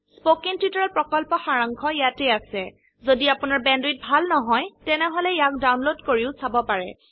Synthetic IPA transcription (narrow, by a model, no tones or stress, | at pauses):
spokiŋtutɔɹɔlpɹɔkɔlpɔxaɹaŋkʰɔjatɛasɛ | zodiapʊnaɹbɛndwit̚bʱalnɔɦɔjtɛnɛɦɔlɛjak̚dawnlodkoɹiʊsabɔpaɹɛ̰